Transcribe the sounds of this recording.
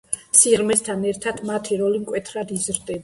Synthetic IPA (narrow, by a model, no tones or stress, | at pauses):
siʁmɛst̪ʰanɛɾt̪ʰat̪ʰmat̪ʰiɾɔlimkʼwɛt̪ʰɾad̪izɾd̪ɛba